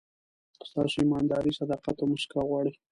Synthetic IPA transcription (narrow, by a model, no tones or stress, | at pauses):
st̪ɑsimɑnd̪ɑɾisad̪ɑqat̪oməʃkaɣwɑɽi